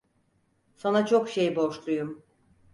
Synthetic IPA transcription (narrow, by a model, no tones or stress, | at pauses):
sanat͡ʃʰokʃe̞jbo̞ʃlˠujum